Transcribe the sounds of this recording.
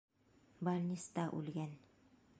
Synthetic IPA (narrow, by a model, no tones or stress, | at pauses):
baɾʲnʲist̪ɑʔʉ̰lɡæn